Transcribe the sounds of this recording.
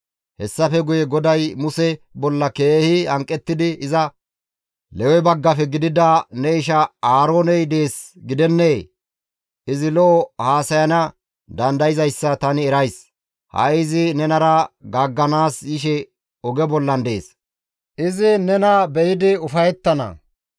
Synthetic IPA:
hɛsːɐfɛɡʊjɛɡɔd̪ɐjmʊsɛbɔlːɐke̞ːhɪɐŋkʼːɛt̪ːɪd̪ɪɪzɐ | lɛwɛbɐɡːɐfɛɡɪd̪ɪd̪ɐnɛɪʃ̬ɐaːɾo̞ːnɛjd̪e̞ːsɡɪd̪ɛnːeː | ʔɪzɪlohaːsɐjɐnɐ | d̪ɐnd̪ɐjɪzɐjsːɐt̪ɐnɪɛɾɐjs | hɐ̰ɪzɪnɛnɐɾɐɡaːɡːɐnaːsjɪʃ̬ɛ | ɔɡɛbɔlːɐnd̪e̞ːs | ʔɪzɪnɛnɐbɛjɪd̪ɪʊfɐjɛt̪ːɐnɐ̰

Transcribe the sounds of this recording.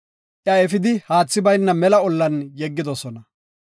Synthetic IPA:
ʔjɐɛfɪd̪ɪhaːt͡sːɪbɐjnːɐmɛlɐɔlːɐnjɛɡːɪd̪ɔsɔnɐ

